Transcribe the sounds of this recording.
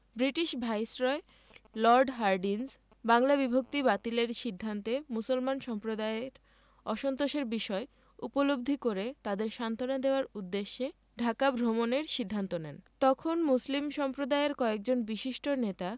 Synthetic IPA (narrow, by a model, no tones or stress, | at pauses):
bɾiʈiʃbʱajsɾɔe | lɔɾɖɦaɾɖins | baŋlabibʱok̚t̪ibat̪ileɾʃid̪ʱːant̪emusolmanʃɔmpɾod̪aeɾ | ɔʃont̪oʃeɾbiʃɔe | upolob̚d̪ʱikoɾet̪ad̪eɾʃant̪onad̪eoaɾud̪ːeʃːe | ɖʱakabʱɾomoneɾʃid̪ʱːant̪onɛnt̪ɔkʰonmuslimʃɔmpɾod̪aeɾkɔek̚d͡ʑonbiʃiʃʈonet̪a